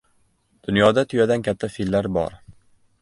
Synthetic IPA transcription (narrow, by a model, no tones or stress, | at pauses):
d̪̥ʊnjɒd̪at̪ʰʊjad̪ankʲʰat̪ʰːafillːaɾbɒ̰ɾ